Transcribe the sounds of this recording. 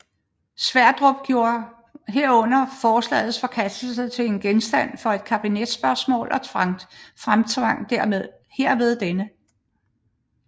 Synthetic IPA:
sʋæɐ̰d̥ʁɔ̽b̥̚ɡ̥jo̝ːɐ | ɦe̝ɐ̰ɔ̽n̰ɐfɒːslɛ̰ːð̞̩ˠsfɒ̽kʰæsd̥l̩sət͡sʰe̝le̝nɡ̥ensd̥æn̰fɒ̽e̝d̥kʰæb̥ined̥sb̥ɶɐsmɔ̰̽ːlʔɒ̽t͡sʰʋɑ̈ŋ̰d̥fʁamt͡sʰʋɑ̈ŋ̰d̥æɐ̰meðˠ | heɐ̰ʋe̝ð̞ˠd̥enə

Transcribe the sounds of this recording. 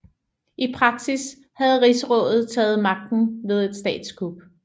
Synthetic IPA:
ʔipʰʁɑ̈ɡ̥sis | hæð̞̩ˠʁisəʁɔ̽ðˠð̩ˠt͡sʰɛ̰ːð̞̩ˠmɑ̈ɡ̥̚d̥n̩ʋe̝ð̞ˠe̝d̥sd̥ɛ̰ːd̥skʰub̥

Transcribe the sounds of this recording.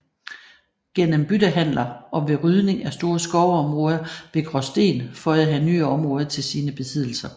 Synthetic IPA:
ɡ̥en̰əmb̥yd̥ɐɦæn̰lɐɒ̽ʋe̝ʁyð̞ˠne̝ŋæsd̥o̝ːɐsɡ̥ɒʊɒ̽mʁɔ̽ːð̞ˠɐʋe̝ɡ̥ʁɒsd̥e̝̰ːnfɒ̽æɦæny̰ːɒ̽mʁɔ̽ːð̞ˠɐt͡sʰe̝lsiːnəb̥e̝sʰið̰ˠl̩sɐ

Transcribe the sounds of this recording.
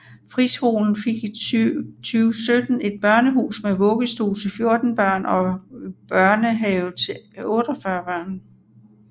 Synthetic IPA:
fʁisho̝̰ːln̩fe̝ɡ̥ | t͡sʰyːʊsød̥n̩e̝d̥̚b̥ɶɐnəɦṵːsmeʋɔ̽ɡ̥əsd̥ṵːlt͡sʰe̝fjo̝ɐd̥n̩b̥ɶɐ̰nɒ̽b̥ɶɐnəɦɛʊt͡sʰeɔ̽ːd̥ɒfɶɐb̥ɶɐ̰n

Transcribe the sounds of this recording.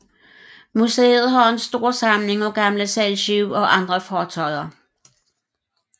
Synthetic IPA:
musḛːð̞̩ˠɦɑ̈e̝nsd̥o̝ɐ̰sɑ̈mle̝ŋɒ̽ɡ̥ɑ̈mləsælɕiʊɒ̽ʔɑ̈nd̥ʁɐfɒːt͡sʰɒ̽ɪ̰ɐ

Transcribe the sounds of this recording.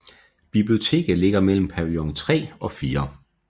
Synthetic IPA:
b̥ib̥lio̝t͡sʰe̝̰ːɡ̥əle̝ɡ̥ɐmel̰m̩pʰæʁiɒŋt͡sʰʁɛ̰ːɒ̽fiːɐ

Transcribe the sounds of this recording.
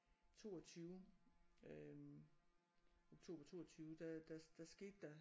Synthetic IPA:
t͡sʰo̝̰ːɒt͡sʰyːʊ | oɡ̥̚t͡sʰo̝ːb̥ɐt͡sʰo̝̰ːɐt͡sʰyːʊd̥æd̥æd̥æsɡ̥e̝̰d̥ːæ

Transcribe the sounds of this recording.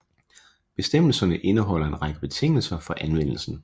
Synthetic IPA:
b̥e̝sd̥em̰l̩sɐnəʔe̝nəɦɒ̽l̰ɐe̝nʁɑ̈ɡ̥əb̥e̝t͡sʰe̝ŋ̰l̩sɐfɒ̽ʔænʋen̰l̩sn̩

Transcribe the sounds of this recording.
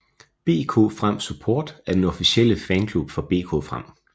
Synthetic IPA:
b̥e̝̰ːkʰo̝̰ːfʁam̰supʰɔːd̥æɐd̥enɒfisiel̰əfɛːnkʰlub̥fɒ̽b̥e̝̰ːkʰo̝̰ːfʁam̰

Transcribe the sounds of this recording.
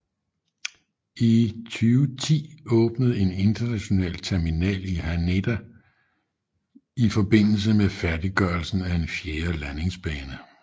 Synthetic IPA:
it͡sʰyːʊt͡sʰḭːɔ̽ːb̥nəð̞̩ˠe̝ne̝nd̥ɐnæɕo̝nɛ̰ːlt͡sʰeɐminɛ̰ːlihæne̝d̥æ | ifɒ̽b̥e̝n̰l̩s̬əmefæɐdiɡ̥ɶɐlsn̩æe̝nfjeːɐlæne̝ŋsb̥ɛːnə

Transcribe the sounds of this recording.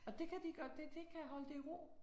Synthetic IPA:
ɒ̽d̥e̝kʰæd̥iɡ̥ɶːɐd̥ed̥e̝kʰæɦɒ̽ləd̥e̝iʁo̰

